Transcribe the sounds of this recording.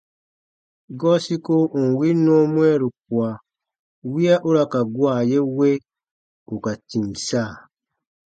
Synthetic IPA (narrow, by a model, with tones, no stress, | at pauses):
ɡɔ˦si˦ko˦ʔu˨n̩˨wi˦nɔ̃˦mũ˦ɛ˦ɾu˨k̚u˨a˨ | wi˦a˦ʔu˦ɾa˦ka˨ɡwa˨je˦we˦ | u˨ka˨tĩ˨msaː˦˨